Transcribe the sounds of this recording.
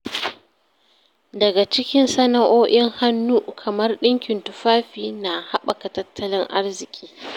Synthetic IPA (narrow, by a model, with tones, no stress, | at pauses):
dɐ˨ɡa˨t͡ʃɪ˦kʲɪ˦nsɐ˦na˦ʔoː˦ʔɪ˦ŋha˦nːuː˦kʰɐ˨mɐ˦rɗɪ˦ŋkʲɪ˨ntʊ˨ɸaː˦ɸiː˦na˨ha˦ɓa˨ka˨tɐ˦tːɐ˦lɪ˦ŋʔa˦rzɪ˨kʲʼiː˦